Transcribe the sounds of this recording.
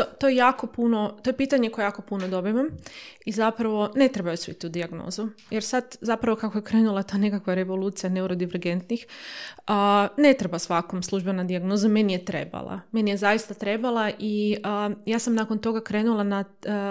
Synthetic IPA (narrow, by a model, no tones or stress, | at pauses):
t̪ot̪ojejaːko̞puno̞t̪o̞jepiːt̪aɲeko̞jejaːkopunod̪o̞bimamizapɾaʋo̞ne̞t̪ɾebajosḭt̪iud̪iaɡno̰ːzujeɾsat̪zapɾaʋo̞kakojekɾe̞ːnulˠat̪one̞kakʋaɾe̞ʋo̞lˠuːt̪sijane̞uɾo̞d̪iʋeɾɡe̞nt̪nixəne̞t̪ɾebasʋakomslˠuʒbenad̪iaɡnoːzume̞nije̞t̪ɾe̞̰ba̰lˠa̰me̞nije̞zajist̪at̪ɾe̞balˠaʔiəːjaːsamnakont̪o̞ɡakɾe̞ːnulˠana